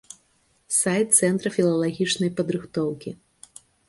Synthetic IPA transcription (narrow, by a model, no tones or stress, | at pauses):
sajt̪̚t̪sɛnt̪ɾɐfʲilˠɐlˠaɣʲit͡ʂnɐjpɐd̪ɾɨxt̪ɔwkʲi